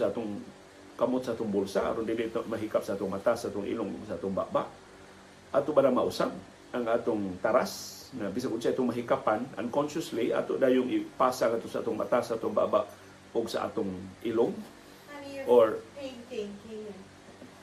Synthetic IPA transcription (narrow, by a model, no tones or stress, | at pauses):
saʔat̪ʊŋ | kamʊt̪̚saaːt̪ʊŋbolsaʔa̰ɾond̪iliʔt̪oʔmaɦikap̚saaːt̪ʊŋmat̪asaʔat̪ʊŋʔḭlʊŋʊ̰ɡsaaːt̪ʊŋba̰ʔbaʔ | ʔat̪ʊbanamaʔusab̚ | ʔaŋaːt̪ʊŋt̪aɾasŋabisaŋkʊnsaʔit̪ʊŋmaɦikapana̰nkonʃʊslia̰t̪oʔd̪aːjʊŋipaːsaɡat̪ʊsaʔa̰ːt̪ʊŋma̰t̪asaʔaːt̪ʊŋba̰ʔbaʔ | ʊɡsaʔa̰t̪ʊŋilʊŋ | ʔoɹ